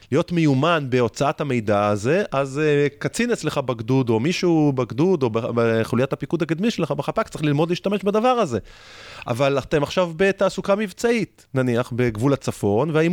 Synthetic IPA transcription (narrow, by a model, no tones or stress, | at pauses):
lijo̞t̪me̞jumanbe̞o̞t͡saat̪hame̞jdaːze̞ʔazkat͡sinet͡sleχabaɡdud̪o̞miʃubeɡd̪ud̪o̞beχulujat̪hapikud̪hakad̪miʃelχabeχapakt͡saʁiχlilmo̞d̪liːʃt̪ame̞ʃbad̪avaʁaze̞ | ʔa̰valaχt̪emaχʃavbe̞t̪aːsukamivt͡sait | naniaχbeɡvulat͡safo̞nveaim